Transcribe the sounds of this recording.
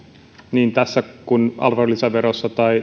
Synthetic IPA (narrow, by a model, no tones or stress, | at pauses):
niːnt̪æsːækunɑ̰lʋɑrlːisɑʋeɾosːɑt̪ɑi